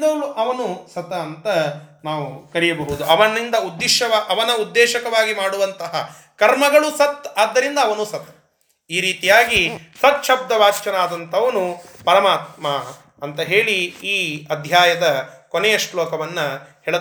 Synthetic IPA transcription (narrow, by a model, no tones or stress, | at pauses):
d̪ɐluʔɐʋɐnusɐt̪ɐːnt̪ɐnaːʋukɐɾijɐbɐɦud̪uʔɐʋɐnːind̪ɐud̪ːiʃɐʋaːʔɐʋɐnɐud̪ːɛːʃɐkɐʋaːɡimaːɽuʋɐnt̪ɐɦɐ | kɐɾmɐɡɐɭusɐt̪ːaːd̪ːɐɾind̪ɐːʋɐnusɐt̪ | iːɾiːt̪ijaːɡisɐt̪ʃɐb̚d̪ɐʋaːt͡ʃt͡ʃɐnaːd̪ɐnt̪ʰɐʋɐnupɐɾɐmaːt̪̚ma | ɐnt̪ɐɦeːɭiiːɐd̪ʱjaːjɐd̪ɐkoneɛːjɐʂlɔːkɐʋɐnːɐhɛːɭ